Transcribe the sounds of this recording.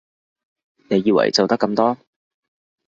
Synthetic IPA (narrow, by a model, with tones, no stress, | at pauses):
ne˨˧jiː˧wɐ̰˨˩jt͡so˨wt̪ɐ˥kːɐ˧mt̪ɔː˥